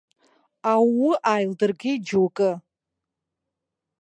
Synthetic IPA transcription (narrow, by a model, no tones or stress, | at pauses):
awuʔajldɨrɡʲɪid͡ʒuwkʼɨ